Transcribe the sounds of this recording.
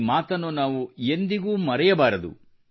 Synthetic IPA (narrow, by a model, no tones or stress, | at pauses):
maːt̪ɐnːunaːʋue̞nd̪iɡuːmɐɾɐjɐbaːɾɐd̪ṵ